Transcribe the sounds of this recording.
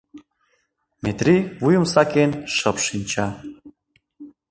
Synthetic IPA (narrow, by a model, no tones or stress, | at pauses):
met̪riβujə̆msɑkenʃəpʃinʲt͡ɕɑ